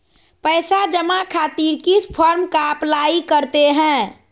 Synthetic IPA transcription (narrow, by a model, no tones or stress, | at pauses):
pəːɪsad͡ʒəmakʰaːt̪iːɾkipʰɔɾmkaəplaːikəɾt̪eɦɛ̃ː